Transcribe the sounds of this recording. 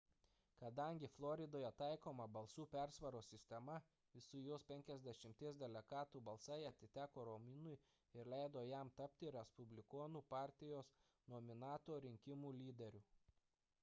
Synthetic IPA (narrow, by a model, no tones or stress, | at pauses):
kɐd̪ɐˑŋʲɡʲɪflˠɔɾʲɪd̪oːjɛt̪ɑˑɪkoːmɐbɐlˠsuːpʲæɾsʋɐɾoːsʲɪsʲt̪ʲɛmɐ | ɪsʊjoːspʲɛŋʲkʲɛzʲd̪ʲɛʃʲɪmʲt̪ʲiɛsd̪ʲɛlʲɛɡɑːt̪uːbɐlˠsɐɪɐt̪ʲɪt̪ʲæːkoːɾomʲɪnʊj | ɪɾlʲæɪd̪oːjæˑmt̪ɐpʲt̪ʲɪɾʲɛspʊbʲlʲɪkoːnuːpɑːˑɾʲt̪ʲɪjoːs | noːmʲɪnɑːt̪oːɾʲɪŋʲkʲɪmuːlʲiːd̪ʲɛɾʲuː